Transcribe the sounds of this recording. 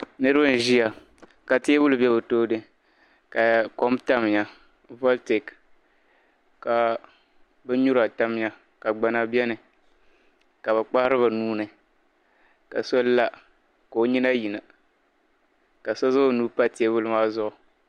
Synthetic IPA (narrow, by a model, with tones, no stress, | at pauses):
nɨ˦ɾɨ˦ba˦n̩˨ʒi˦a˨ | ka˨te˦bʊ˦lbɛ˦bɨ˨toː˦dɨ˦ | ka˨ko˦mta˦m˨ɲa˨ | vɔ˦lte˨k | ka˨ | bɛ˦ɲu˦ɾa˨ta˦m˦ɲa˨ | ka˨ɡ͡ba˨na˦bɛ˦nɨ˨ | ka˨βɛ˨k͡pa˦hɾɨ˦βa˨nuː˦nɨ˨ | ka̰˨so˦la˦ | ka˨o˨˦ɲi˦na˦ji˨na˨ | ka˨so˦zʊ˦o˦nuː˦pa˦te˨˦e˦bʊ˦lɨ˨maː˦zʊ˦ʔʊ˨